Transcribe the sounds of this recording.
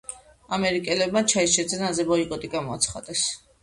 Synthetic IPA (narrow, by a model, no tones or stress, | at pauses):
amɛɾikʼɛlɛb̚mat͡ʃʰaiʃɛd̪zɛnazɛbɔikʼɔt̪ʼiɡamɔat̪sʰχa̰d̪ɛs